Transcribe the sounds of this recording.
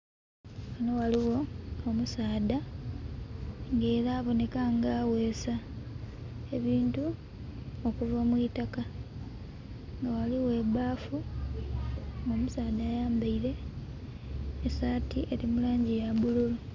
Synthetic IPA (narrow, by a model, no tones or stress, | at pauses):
ano̞waliwo̞omusaːda | ŋɡe̞ːɾaːβo̞ne̞kaŋɡawe̞ːsa | e̞βiːntu | okuvamwitaka | ŋɡawaliwe̞ːbaːfu | omusaːdajaːmbaiɾe̞ | saːtiʔe̞ɾimulaːɲɟijabululu